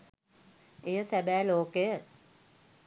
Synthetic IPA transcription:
ejəsæbæːloːkejə

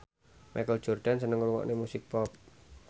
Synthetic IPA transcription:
mʔa̰kəld̥ʒ̥ɔrɖ̥ansənəŋuluwɔ̰ʔnemusɪk̚pɔp̚

